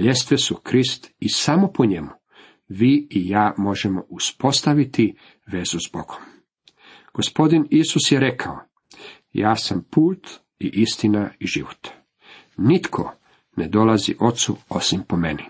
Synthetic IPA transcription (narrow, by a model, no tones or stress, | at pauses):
ʎest̪ʋesukɾist̪isamo̞poɲe̞mu | ʋiːijaːmo̞ʒemo̞̰ʔuspo̞st̪aʋit̪i | ʋe̞zuzbo̞̰ɡ̥om | ɡ̥o̞spo̞d̪inisusjeɾe̞kʰao | jaːsampuːt̪ | iʔist̪inaiʒiʋot̪ | nit̪kʰo̰ | ned̪o̞lazḭʔo̞t̪sṵo̞simpomḛni